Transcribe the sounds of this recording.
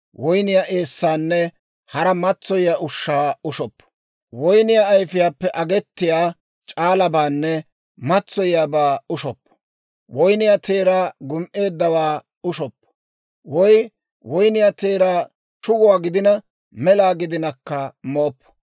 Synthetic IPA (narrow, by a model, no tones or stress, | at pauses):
wɔjnɪjaʔe̞ːsːaːnːɛ | hɐɾɐmɐt͡sːɔjjaːʔʊʃːaːʊʃɔpːɔ̥ | wɔjnɪjaːjfɪjaːpːɛʔɐɡɛt̪ːɪjaː | t͡ʃʼaːlɐbaːnːɛ | mɐt͡sːɔjjaːbaːʊʃɔpːɔ̥ | wɔjnɪjaːt̪ʰe̞ːɾaːɡʊmʔe̞ːd̪ːɐwaː | ʊʃɔpːɔ̥ | wɔj | wɔjnɪjaːt̪e̞ːɾaː | ʃʊɡʊwaːɡɪd̪ɪnɐ | mɛlaːɡɪd̪ɪnɐkːɐmoːpːɔ̥